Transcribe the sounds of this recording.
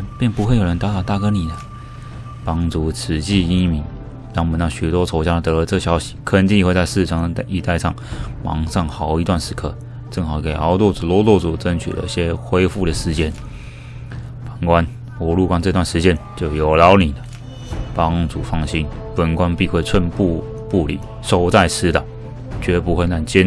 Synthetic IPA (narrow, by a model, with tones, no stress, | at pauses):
pjɛ˥˩npu˧˥xwe˥˩ɪjɻə˧˦nt̪t̪ɑ˥˩ʊt̪a˥˩kə˥ni˨˩d̪ə˦ | pɑ˥ŋt͡su˧˥t͡s̩ʰ˨˩t͡ɕi˥˧i˥mi˧˥ŋ | t̪ɑ˥ŋmə˨˦nt̪ɑ˥˩ɕy˨˩t̪wɔ˥t͡sʰo˧˥ʊt͡ɕja˥t̪ɤ˧˦˧ʈ͡ʂɤ˥˩ɕjɑ˧˥ʊɕi̥˨˩kʰə˥˧nt͡ɕ̪i˥˧ŋxwt͡sa˥˧ɪʂɹ̩˥˩ʈ͡ʂʰɑ˥˩ŋd̪ə˨˧i˧˥˧t̪a˥˧ɪʂɑ̰˥˩ŋmɑ̰˧˥ŋsɑ˥˩ŋxɑ˨˩˦ʊi˧˥t̪wa˥˩nʂɻ̩˧˥kʰɤ˥˧ | ʈ͡ʂɤ˥˧˩ŋxɑ˨˩ʊke˨˩ɪɑ˧˥ʊt̪ɔ˥˩t͡su˨˩lɔ˥˧t̪ɔ˥˩t͡su˨˩t͡sə˦˥nt͡ɕʰy̰˨˩d̪ə̰˦i˥˩ɕjɛ˥xwe˥ɪfu˥˩ɾə˩ʂɻ̩˧˥t͡ɕjɛ˥n | pə˨˩nkwa˦n | ɔ˧˥lu˥˧˩kwa˥nt͡sʈ͡ʂɤ˥˧t̪wa˥˩nʂɻ̩˧˥t͡ɕjɛ˥nt͡ɕjo˥˩ʊjo˨˩ʊlɑ˧˥ʊni˨˩d̪ə˦ | pɑ˥ŋt͡su˨˩fɑ˥˩ŋɕi˥npə˨˩nkwa˦˥npi˥˧xwe˥˧ɪt͡sʰwə˥˧npu˥˧ | pu˥˩lḭ˨˩ | ʂo˥ʊt͡sa˥˩ɪt͡s̩ʰ˥t̪ɑ˨˩ | t͡ɕɥɛ˧˥p̬u˧˥xwe˥˧ɪna˥˩nt͡ɕɛ˥n